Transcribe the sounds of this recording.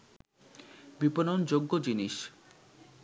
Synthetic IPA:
biponond͡ʑoɡːod͡ʑiniʃ

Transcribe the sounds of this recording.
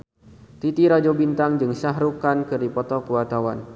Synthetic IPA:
t̪it̪iɾad͡ʒobint̪aŋd͡ʒɨŋsaɦɾukankɨrdipɔt̪ɔkuwat̪awan

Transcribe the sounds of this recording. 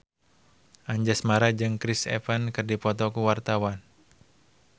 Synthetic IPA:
ʔaɲd͡ʒasmaɾad͡ʒɨŋkɾɪsɛ̰fankɨrdipɔt̪ɔkuwart̪awan

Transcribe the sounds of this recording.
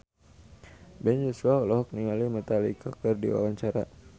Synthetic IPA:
bɛnd͡ʒɛsualɔɦɔk̚niŋalimət̪alikakərdḭwa̰waɲt͡ʃaɾa

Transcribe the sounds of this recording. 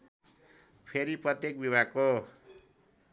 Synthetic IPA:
pʰeɾiprʌt̪jek̚biβʱaɡ̚ko

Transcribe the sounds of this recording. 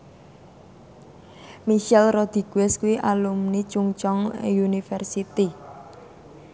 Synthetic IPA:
miʃɛlrɔd̪̥i̤ɡ̥uwɛskuwiʔalumnit͡ʃuŋt͡ʃɔŋunifɛrsit̪i

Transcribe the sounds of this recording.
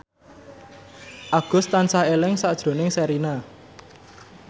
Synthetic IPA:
ʔaɡ̥ʊ̤st̪ansaelɪŋsad̥ʒ̥ɾo̤nɪŋsɛɾina

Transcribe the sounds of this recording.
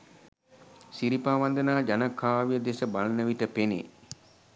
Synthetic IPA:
siɾipaːʋand̪ənaːd͡ʒanakʰːaːʋijəd̪esəbalənəʋiʈəpenḛ

